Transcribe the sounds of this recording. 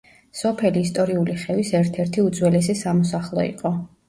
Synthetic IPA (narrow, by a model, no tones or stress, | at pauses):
sɔpʰɛliːst̪ʼɔɾiuliχɛvisɛɾt̪ʰɛɾt̪ʰiud̪zwɛlɛsisamɔsaχlˠɔḭqʼɔ